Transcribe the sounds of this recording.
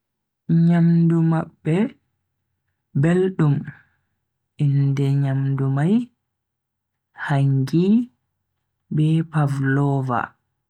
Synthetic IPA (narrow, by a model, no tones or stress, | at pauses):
ɲamdumabːɛ | belɗum | indɛɲamdumaj | haŋɡi | bɛpavlɔːva̰